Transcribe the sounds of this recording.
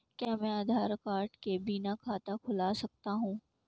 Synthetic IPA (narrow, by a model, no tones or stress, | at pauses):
kjaːmɛ̃ːaːd̪ʱaːɾkaːɾʈkebiːnakʰaːt̪akʰʊlasɐk̚t̪aɦũː